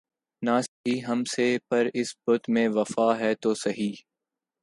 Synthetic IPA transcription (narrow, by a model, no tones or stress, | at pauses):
naːsɦiːɦɐmsepɐɾɪsbʊt̪mẽːʋɐfaːɦɛːt̪oːsɐɦiː